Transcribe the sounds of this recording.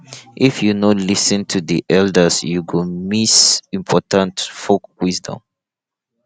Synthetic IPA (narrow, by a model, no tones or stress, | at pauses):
ʔifjunɔlisɨ̃ntʰuðḭʔɛldəsjuɡɔmisĩmpʰɔtãntfok̚wizdɔ̰̃m